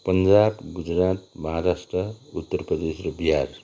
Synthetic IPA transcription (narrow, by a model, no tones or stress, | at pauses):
pʌnd͡ʒabɡud͡zɾat̪mʌɦaɾasʈrʌut̪ːʌrprʌd̪esrobiɦaɾ